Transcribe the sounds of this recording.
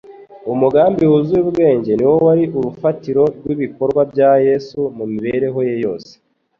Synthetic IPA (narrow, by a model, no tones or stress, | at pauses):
umuɡaːmbiwuzuubɡe̞ːɲɟe̞niwo̞waɾiʔuɾufatiɾo̞ɾɡwiβiko̞ɾɡwabjaːje̞sumumiβe̞ɾeɦo̞jejo̞ːse̥